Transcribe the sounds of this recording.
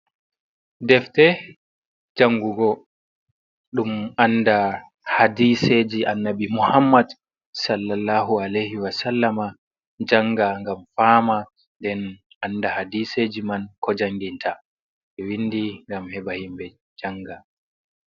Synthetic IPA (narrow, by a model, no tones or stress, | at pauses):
dɛftɛ | d͡ʒaŋɡuɡɔ | ɗumanda | hadised͡ʒiʔanːabimuhamːad | salːalːaːɦualajhiwasalːama | d͡ʒaŋɡaŋɡamfaːma | ndɛn | ʔanːdahadised͡ʒimankʰɔd͡ʒaŋɡintʰa | ɓɛwindiŋɡamhɛɓahimbɛ | d͡ʒaŋɡa